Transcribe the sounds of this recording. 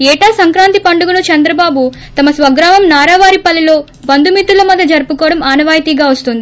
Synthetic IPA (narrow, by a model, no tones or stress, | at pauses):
ɛːʈaːsɐŋkɾaːnt̪ipɐɳɖuɡunut͡ʃɐnd̪ɾɐbaːbu | t̪ɐmɐsʋɐɡɾaːmɐmnaːɾaːʋaːɾipɐlːilo̞ː | bɐnd̪umit̪ːulɐmɐd̪ʱːɐd͡ʒɐɾpukɔːɽɐmaːnɐʋaːjt̪iːɡaːʋɐst̪und̪i